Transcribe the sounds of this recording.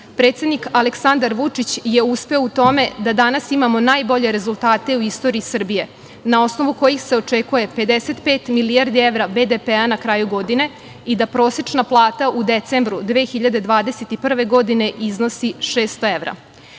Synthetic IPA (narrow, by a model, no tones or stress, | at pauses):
pɾet̪sʲe̞d̪nikaleksand̪aɾʋut͡ʂit͡ɕje̞uspe̞out̪o̞me̞d̪ad̪anasimamo̞naːjbo̞ʎe̞ɾe̞zulˠt̪aːt̪e̞uist̪o̞ɾiːsr̩bije̞ | nao̞sno̞ʋuko̞jixse̞o̞t͡ʂekuje̞pe̞d̪ese̞t̪pe̞ːt̪milijaɾd̪ieʋɾabed̪epeanakɾaːjuɡo̞d̪ine̞ | id̪apɾo̞ːset͡ʂnaplˠaːt̪aʔud̪e̞t̪sembɾud̪ʋeːxiʎad̪e̞d̪ʋaːd̪e̞set̪ipr̩ʋe̞ɡo̞d̪ine̞ʔizno̞siʃeːst̪oeʋɾa̰